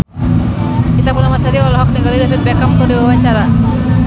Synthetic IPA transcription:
kit̪apunamasaɾiɔlalaɦɔk̚niɡalidapɛt̪̚bɛkamk̪ɔdiwawaɲt͡ʃaɾa

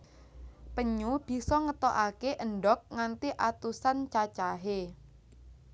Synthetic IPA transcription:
pəɲub̥i̤sɔŋət̪ɔʔakeʔəɳɖɔk̚ŋant̪iʔat̪usant͡ʃat͡ʃaɦe

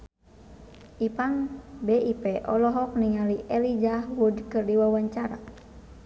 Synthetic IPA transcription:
ʔipaŋbeipɛʔɔlɔɦɔk̚niŋaliʔɛlid͡ʒahwudkɨrdiwawaɲt͡ʃaɾa̰

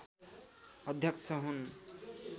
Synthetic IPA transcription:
ʌd̪ʱjʌksʰʌɦun

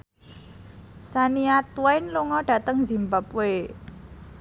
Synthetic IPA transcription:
saniat̪wajnluŋɔɖ̥ä̤t̪əŋzi̤mbape

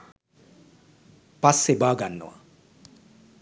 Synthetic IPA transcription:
pasːebaːɡanːə̰wa̰

